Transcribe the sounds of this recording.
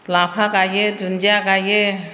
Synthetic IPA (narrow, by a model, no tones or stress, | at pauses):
lapʰakajedund͡ʒiaɡaje